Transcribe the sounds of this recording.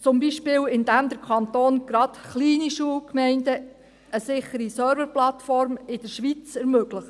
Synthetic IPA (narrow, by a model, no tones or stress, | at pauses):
t͡sʊmbiʃpɪːwɪndæmd̪əɾkʰɑnt̪oːnɡ̥ɾɑdχliːniʃuːəlkmɛɪndə | əsɪχəɾisœːɾvəɾplɑtfɔɾmɪd̥əɾʃʋit͡sɛɾmøɡləχə